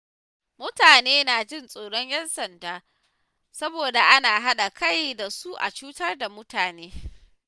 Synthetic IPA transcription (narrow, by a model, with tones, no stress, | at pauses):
mʊ˦taː˨neː˦naː˨d͡ʒɪ˦˨nsʼoː˨ɽɔ˦ɲjɐ˦nsɐ˨ndaː˨ | sɐ˦boː˨da˨ʔa˦naː˨ɦa˦ɗa˨kʰa˦˨jda˨su˦ʔa̰˨t͡ʃuː˦tɐ˦rda˨mʊ˦taː˨neː˦